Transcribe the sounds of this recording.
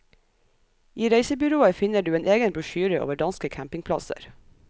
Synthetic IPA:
ʔiːɾeɪsəbʏɾoːəfɪnəɖʉːeːneːɡənbɾʉʃyːɾəʔo̰ːʋəɖɑnskəkʰæmpɪŋpʰlɑ̰sə̰ɾ

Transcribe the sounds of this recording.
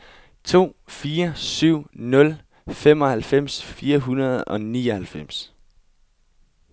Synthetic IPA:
t͡sʰo̝̰ːfiːɐsyʊ̰nɔ̽l | fem̰ɒ̽hælfem̰sfiːɐɦunɐð̞ˠɒ̽niːɒhælfem̰s

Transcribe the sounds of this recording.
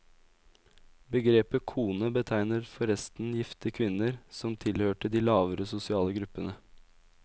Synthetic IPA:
bəɡɾeːpəkʰuːnəbət̪ʰæɪnəɾfɔɾɛst̪n̩jɪft̪əkʰʋɪnəɾsɔmt̪ʰɪlhøːʈəd̪iːlɑːʋəɾəsʊsɪɑːləɡɾʉpːənə

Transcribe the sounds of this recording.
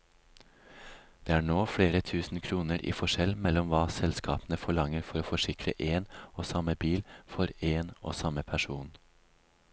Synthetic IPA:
d̪̥eːæːɳoːfɽeːɾət̪ʰʉːsn̩kʰɾuːnəɾʔḭːfɔʃɛlmɛlɔmʋɑːsɛlskʰɑ̰ːpnəfɔɭɑŋəɾfɔɾoːfɔʃɪkʰɾə̰ʔeːnoːsɑməbiːlfɔɾeːno̰ːsɑməpʰæʂuːn

